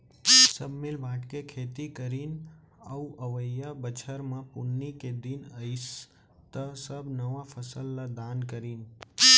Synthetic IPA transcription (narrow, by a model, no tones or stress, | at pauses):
səbʱmɪlbʱaːʈkekʰeːt̪ikəɾiːn | auʔəʋəjabət͡ʃʰəɾmãpʊnːiked̪inəis | t̪əsəbnəʋafʰəsəlːad̪aːnkəɾiːn